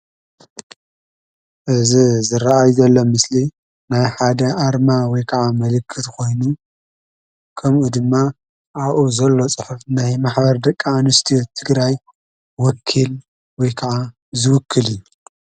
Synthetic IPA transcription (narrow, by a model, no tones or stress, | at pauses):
ʔɨzizɨɾaʔajzɐlːo̞mɨsli | najħad̪ɐʔaɾmawɔjkʰɐʕamɐlɨkʰːɨt̪kʰo̞jnu | kʰɐmʔud̪ɨmːa | ʔaβʔuzɐlːo̞t͡sʼɨħufnajmaħbɐɾd̪ɐkʼːanɨst̪ʰiot̪ʰɨɡɾaj | wɔkʰːil | wɔjkʰɐʕa | zɨwʊkʰːɨlijːu